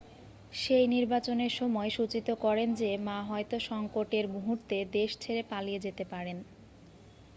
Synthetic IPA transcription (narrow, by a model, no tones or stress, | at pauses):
ʃejniɾbat͡ɕoneɾʃɔmɔeʃut͡ɕit̪okɔɾend͡ʑemaɦɔet̪oʃɔŋkoʈeɾmuɦuɾt̪ed̪eʃt͡ɕʰeɾepalied͡ʑet̪epaɾen